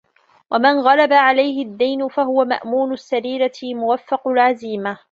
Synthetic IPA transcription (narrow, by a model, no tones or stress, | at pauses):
wʔamanɣalabaʕalajɦɪd̪ːajnʊfaɦʊwama̰ʔmuːnʊsːaɾiːɾamʊwafːɑqʊlʕaziːma